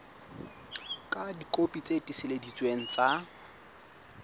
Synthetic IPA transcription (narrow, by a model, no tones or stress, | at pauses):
kʼadikʼopʼit͡sʼetʼisɪledit͡sʼweŋ̩t͡sʼa